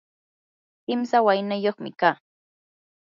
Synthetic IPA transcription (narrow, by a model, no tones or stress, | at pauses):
kɪmsawajnajoχmɪ̰kaː